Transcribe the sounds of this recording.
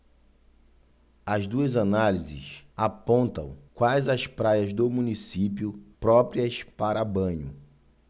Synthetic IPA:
ɐzd̪uɐzanalizɪ̰sapõnt̪ɐ̰̃w̃kwajzɐspɾajɐzd̪ʊmũnisipjʊpɾɔpɾiɐspaɾɐbɐ̃ɲʊ

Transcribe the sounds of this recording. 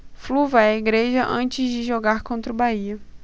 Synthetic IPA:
fluvɐɛiɡɾeʒɐʔɐ̃nt͡ʃɪzd͡ʒɪʒoɡaɾkõnt̪ɾʊbaiɐ

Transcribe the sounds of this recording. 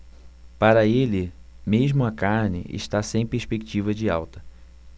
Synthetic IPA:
paɾɐelɪ | meʒmʊɐkaɾnɪ̰ʔɪ̰ʃt̪asẽj̃peɾspekit͡ʃivɐd͡ʒɪawt̪ɐ̥

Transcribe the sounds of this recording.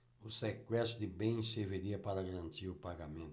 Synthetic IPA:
usekwɛsud̪ɪbẽj̃seveɾiɐpaɾɐɡaɾãnt̪iɾupaɡamẽnt̪

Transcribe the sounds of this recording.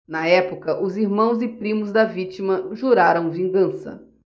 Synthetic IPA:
nɐɛpʊkɐʔʊziɾmɐ̃w̃zɪpɾĩmʊzd̪ɐvit͡ʃimɐʒuɾaɾɐ̃w̃vĩŋɡɐ̃sɐ̰

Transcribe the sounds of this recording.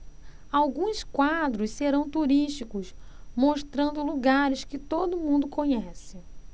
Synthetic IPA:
awɡũskwad̪ɾʊsseɾɐ̃w̃t̪uɾiʃt͡ʃikʊsmoʃt̪ɾɐ̃nd̪ʊluɡaɾɪskɪt̪od̪ʊmũnd̪ʊkõɲɛsɪ

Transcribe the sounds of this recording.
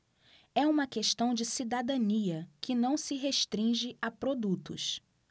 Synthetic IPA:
ɛũmɐkeʃt̪ɐ̃w̃d͡ʒɪsid̪ad̪ɐ̃niɐkɪnɐ̃w̃sɪɦeʃt̪ɾĩʒɪʔapɾod̪ut̪ʊ̰s

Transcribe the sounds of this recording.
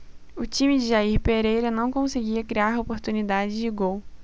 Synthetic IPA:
ʊt͡ʃĩmɪd͡ʒɪʒaiɾpeɾejɾɐnɐ̃w̃kõsɪɡiɐkɾiaɾopoɾt̪unid̪ad͡ʒɪzd͡ʒɪɡow

